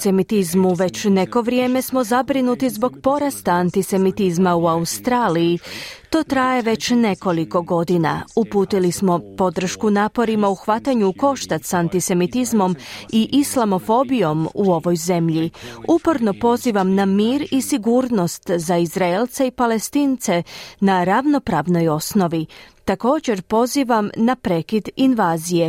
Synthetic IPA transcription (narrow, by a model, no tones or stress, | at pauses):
semit̪izmuʋe̞t͡ɕne̞ko̞ʋɾje̞ːme̞smo̞zabɾinut̪izbo̞ɡpo̞ɾast̪aːnt̪ise̞mit̪izmauaust̪ɾaːlijit̪o̞ːt̪ɾaje̞ʋe̞t͡ɕne̞ko̞liko̞ɡo̞d̪ina̰upuːt̪ilismo̞po̞d̪r̩ʃkunaːpo̞ɾimauxʋat̪aɲuko̞ʃt̪at̪sant̪ise̞mit̪izmo̞miʔislˠamo̞fo̞bijo̞muo̞ʋo̞jze̞mʎiupoɾno̞po̞ziːʋamnamiːɾisiɡuːɾno̞st̪zaizɾaelt̪seipale̞st̪iːnt̪se̞naɾaʋno̞pɾaːʋno̞jo̞sno̞ʋit̪ako̞ːd͡ʑe̞ɾpo̞ziːʋamnapɾekid̪inʋaːzije̞